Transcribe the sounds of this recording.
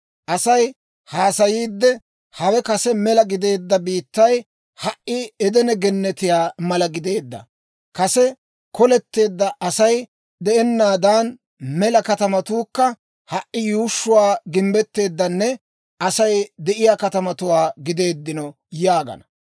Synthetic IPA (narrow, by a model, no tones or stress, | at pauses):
ʔɐsɐj | haːsɐjiːd̪ːɛ | hɐwɛkɐsɛmɛlɐɡɪd̪e̞ːd̪ːɐbiːt̪ːɐj | hɐʔʔɪɛd̪ɛnɛɡɛnːɛt̪ɪjaːmɐlɐɡɪd̪e̞ːd̪ːɐ̰ | kɐsɛ | kɔlɛt̪ːe̞ːd̪ːɐʔɐsɐj | d̪ɛʔɛnːaːd̪aːn | mɛlɐkɐt̪ɐmɐt̪uːkːɐ | hɐʔːɪjuːʃːʊwaːɡɪmbɛt̪ːe̞ːd̪ːɐnːɛ | ʔɐsɐjd̪ɛʔɪjaːkɐt̪ɐmɐt̪ʊwaːɡɪd̪e̞ːd̪ːɪnɔ | jaːɡɐ̰nɐ̥